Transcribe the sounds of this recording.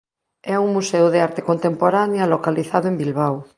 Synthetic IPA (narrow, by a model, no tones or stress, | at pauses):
ɛuŋmusewðeaɾt̪ekont̪empoɾanjɐlokaliθaðʊembilβ̞aw